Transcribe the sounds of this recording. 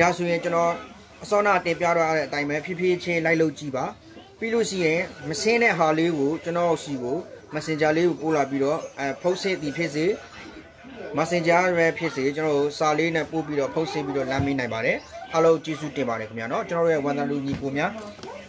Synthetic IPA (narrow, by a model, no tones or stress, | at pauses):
d̥asojɪ̃ɲt͡ɕənɔ | ʔəsɔ̃natɪ̃mpja̰ɾwaaɾɛʔət̪ãɪ̃mbɛpʰjɪpʰjet͡ɕʰẽlaɪʔloʊʔt͡ɕiba | piloʃḭjɪ̃məsɪ̃nɛ̰ɦaleɡot͡ɕənɔʔsiɡoməsɪ̃ɲd͡ʑaleɡopolap̬iɾɔpʰoʊʔsʰet̪ðipʰjɪʔs̬e | masɪ̃d͡ʑaɾɛpʰjɪʔset͡ɕənɔɡosalenɛpop̬iɾɔpʰoʊʔsʰḛ̃piɾɔlãmenãɪ̃mbaɾɛʔalõʊ̃t͡ɕezutɪ̃mbaɾɛkʰəmja̰nɔt͡ɕənɔɾojɛwãaluɲipomja